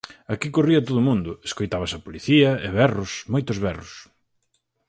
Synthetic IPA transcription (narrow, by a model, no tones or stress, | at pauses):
akikoriɐt̪oðʊmũnd̪ʊeskojt̪aβɐsɐpoliθiɐeβɛrʊsmojt̪ʊzβɛrʊs